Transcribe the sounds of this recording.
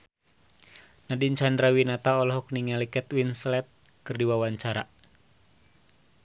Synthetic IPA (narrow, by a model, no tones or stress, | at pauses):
nadiɲt͡ʃandɾawinat̪aɔlɔɦɔk̚niŋɛlikɛt̪winslɛt̪̚ | kɨrdiwawaɲt͡ʃaɾa